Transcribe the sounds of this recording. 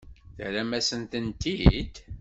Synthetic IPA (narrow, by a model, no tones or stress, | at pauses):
θɾæmæsənt̪ənt̪id̪